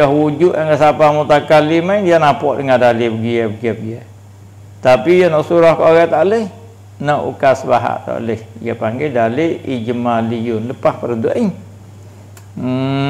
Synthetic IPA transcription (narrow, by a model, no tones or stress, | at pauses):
ahwud͡ʒʊʔaŋɡasapamut̪akalimaindianapɔʔdəŋadalibəɡiabəɡiabəɡia | t̪apijanɔʔsuɾɔhkɔɣat̪aʔləh | nɔʔṵkasbaɦa̰ʔt̪a̰ʔləhḭjapaŋɡadaleid͡ʒəmalijʊnləpahpəɾəduʔi